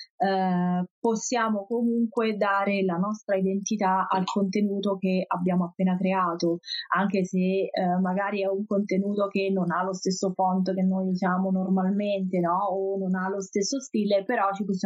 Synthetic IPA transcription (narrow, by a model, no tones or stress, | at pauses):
posːjaːmokomuŋkwed̪aːɾelanɔst̪ɾaid̪ent̪it̪aa̰lkont̪enuːt̪ok̟eabːjaːmoapːeːnakɾeaːt̪oaŋkesemːaɡaːɾiɛuŋkont̪enuːt̪ok̟enːonalost̪esːofɔnt̪ok̟enːojusjaːmonormalment̪enɔononalost̪esːost̪iːlepeɾɔt͡ʃiposː